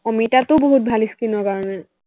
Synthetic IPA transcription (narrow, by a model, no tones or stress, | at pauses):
ɔmitatʊboɦut̚bʱaliskinɔkaɹɔnɛ